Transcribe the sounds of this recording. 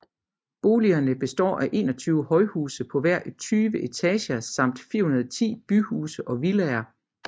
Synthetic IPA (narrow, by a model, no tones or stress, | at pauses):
b̥o̝ːliɐnəb̥e̝sd̥ɒ̰ːʔæʔe̝̰ːnɒ̽t͡sʰyːʊəhɒ̽ɪhuːsəpʰɒ̽ʋæɐ̰ʔt͡sʰyːʋəʔe̝t͡sʰɛɕɐsɑ̈m̰d̥fiɐ̰hunɐðˠt͡sʰḭːb̥yhuːsəʔɒ̽ʋilɛɐ